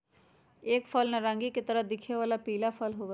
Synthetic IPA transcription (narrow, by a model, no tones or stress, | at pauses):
ekpʰəlnaɾãŋɡiːkɪt̪əɾəd̪ɪkʰːeːʋaːlaːpiːlaːpʰəlɦoːʋ